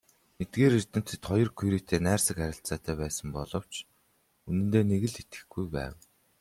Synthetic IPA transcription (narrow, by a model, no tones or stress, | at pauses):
net̪̚ɡeːɾirʲt̪ɘ̆m̥t͡sɘ̥̆t̪χɔjɞ̆rkʰujɾiːt̪ʰeːnæːrsə̆kæɾʲɪ̆ɬt͡saːt̪æːpæːsə̆mpɔɮɞ̆w̥t͡ɕ | unɘ̆nt̪eːneɣɘ̆ɮit̪ɡɘ̆xɡujpæ̰ːw